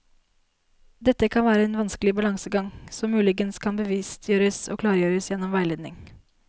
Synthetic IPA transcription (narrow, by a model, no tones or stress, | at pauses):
d̪ɛt̪ːəkʰɑnʋæːɾəɛnʋɑnskəlɪbɑlɑŋsəɡɑŋsɔmmʉːlɪɡənskʰɑnbəʋiːst̪ʰjøːɾəsoːklɑːɾjøːɾəsjɛnːɔmʋæɪleːd̪nɪ̰ŋ